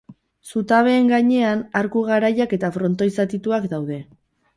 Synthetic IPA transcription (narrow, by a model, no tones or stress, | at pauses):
sut̪aβ̞e̞ːŋɡaɲe̞anaɾkuɣ̞aɾajake̞t̪afɾo̞nt̪o̞jsat̪it̪uakd̪awð̞e̞